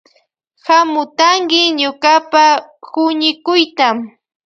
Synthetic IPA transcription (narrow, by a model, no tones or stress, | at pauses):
hamʊt̪aŋkɪɲʊkapahʊɲɪkʊjt̪am